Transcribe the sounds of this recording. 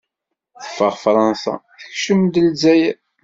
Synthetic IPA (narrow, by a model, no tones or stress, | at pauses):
θə̥fːəʁfɾˤɑnsɑ̰θə̥çʃəmd̪əlzæjæ